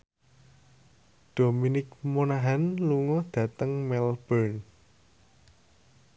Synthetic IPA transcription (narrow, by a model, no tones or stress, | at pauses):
d̪̥o̤minɪk̚monaɦanluŋɔd̪̥ä̤t̪əŋmɛlb̥ərn